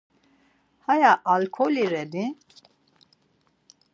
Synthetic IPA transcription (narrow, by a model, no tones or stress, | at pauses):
hajaʔalkʰɔliɾɛni